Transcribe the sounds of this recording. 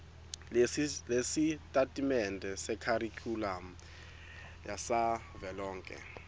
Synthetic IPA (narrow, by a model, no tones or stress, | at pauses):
lesitʼatʼimɛndʱɛsɛkʰarikʰʼulam̩ | jasa | vɛlɔːŋkʼɛ̰